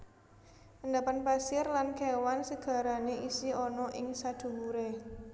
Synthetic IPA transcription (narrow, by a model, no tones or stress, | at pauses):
ʔənd̪apanpasɪrlankɛwansəɡ̥ä̤ɾaneʔisiɔnɔʔɪŋsad̪̥ṳmuɾe